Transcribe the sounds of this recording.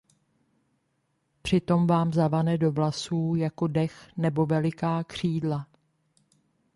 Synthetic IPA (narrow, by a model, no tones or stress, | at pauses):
pr̝̥ɪt̪o̞mvaːmzavanɛdo̞vlasuːjako̞dɛxnɛbo̞vɛlɪkaːkr̝̥iːdla